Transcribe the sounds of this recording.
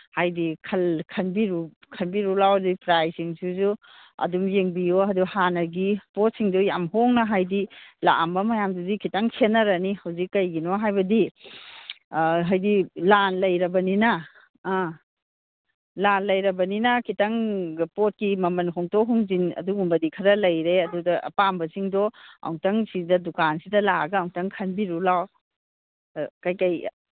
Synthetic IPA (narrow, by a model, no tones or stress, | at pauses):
hajdikʰɐlkʰɐnbiɾu | kʰɐnbiɾulawɐdupɾajsiŋsuzu | ɐ̰dumjeŋbijoɦɐduhanɐɾɡipɔt̚siŋdɔjamɦoŋnɐɦajdila̰mbɐmɐjamduzikʰitaŋsʰenːɐɾɐnihɐwzikːɐjɡinɔɦajbɐdi | ɦajdilanlɐjɾɐbɐninɐː | lanlɐjɾɐbɐninɐkʰitɐŋpot̚kimɐmɐnɦʰɔŋtɔɦuŋzinɐ̰duɡumbɐdikʰɐɾɐlɐjɾeɐdudɐʔɐ̰pambɐsiŋdɔa̰wŋtɐŋsidɐdukansidɐlaɡɐːwŋtɐŋkʰɐnbiɾulaw | kajkɐj